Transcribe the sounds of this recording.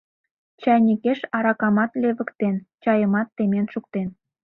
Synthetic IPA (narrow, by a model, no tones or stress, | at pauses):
t͡ɕɑnʲikeʃɑɾɑkɑmɑt̪leβə̆kt̪ent͡ɕɑjəmɑt̪ːemenʃuk̚t̪en